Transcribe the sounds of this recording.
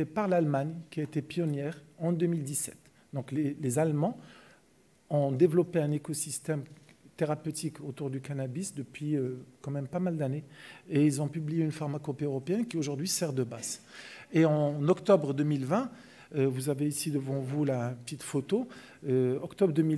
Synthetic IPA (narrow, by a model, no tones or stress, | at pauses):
epaʁlalmaɲkʲiaet̪epjɔnjɛʁɑ̃d̪ømild̪isɛ̰t̪ | d̪ɔ̃klelezalmɑ̃ | ɔ̃d̪evlɔpeɛ̃nekɔsist̪ɛmt̪eʁapøt̪ikot̪uʁd̪ykanabisd̪əpɥiøkɑ̃mɛmpamald̪aneeilzɔ̃pyblijeynfaʁmakɔpeøʁɔpeɛnkʲioʒuʁd̪ɥisɛʁd̪əbazeɑ̃nɔkt̪ɔbʁd̪ømilvɛ̃ | øvuzaveisid̪əvɑ̃vulapə̥t̪it̪fot̪o | øɔkt̪ɔbʁd̪ømi